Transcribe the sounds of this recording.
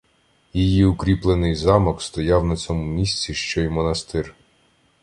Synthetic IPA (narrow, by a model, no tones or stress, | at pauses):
jijiʊkɾʲiplˠenɪjzɑmɔkst̪ɔjɑwnɐt͡sʲɔmʊmʲisʲt͡sʲiʃt͡ʃɔjimɔnɐst̪ɪr